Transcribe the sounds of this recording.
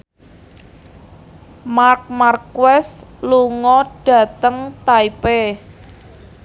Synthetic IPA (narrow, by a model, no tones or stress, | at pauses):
mark̚markwɛsluŋɔɖ̥a̤t̪əŋt̪aipe